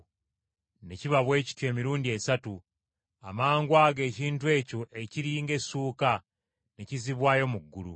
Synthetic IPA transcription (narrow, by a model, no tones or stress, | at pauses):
ne̞ciβaβwe̞ːci̥twe̞ːmiɾuːndie̞satu | amaːŋɡwaːɡe̞ːciːntue̞ːco̞ʔe̞ciɾiːŋɡe̞suːka | ne̞ciziβwaːjo̞muɡːulṵ